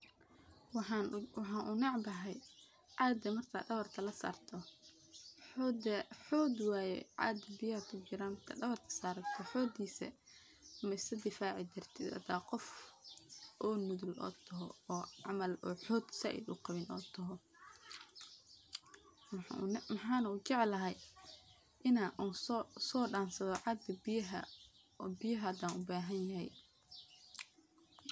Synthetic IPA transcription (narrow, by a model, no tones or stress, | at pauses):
wɑħɑwɑħɑːnʔʊnɑʕbɐɦɛj | ʕɑːd̪ɐmɐrk̪ʰa̰ɖɐβɐrt̪ʰɐlɐsa̰ːrt̪ʰɔ | ħɔd̪ɛħɔːd̪waːjɛ̰ʕɑ̰ːd̪ɐbɪjaːrt̪ʰʊd͡ʒɪɾaːnmɐrkʰɐ̰ɖɐβɐrt̪ʰɐ̥saːɾɐt̪ʰɔħɔːd̪iːsɛ̰ | mɐsɐd̪ɪfaːʕɪd͡ʒɪrt̪ʰɪd̪ɐ̰d̪aːqɔf | ʔɔːnʊðʊlʔɔ̰ːt̪ʰɐɦɔɔːʕɑmɐlɔːħɔːd̪sɐ̰ʔɪ̰d̪ʊ̰qɑβɪnɔːt̪ʰɐɦɔ | mmɐħɑːnɐut͡ʃɛʕlɐɦɛj | ʔɪnaːʔuːsɔːɖaːnsɐðɔʕɑd̪ɡɐbɪjɦɐ̰ | bɪjɐɦad̪ãːnʊbaːɦɐnjɐɦɛj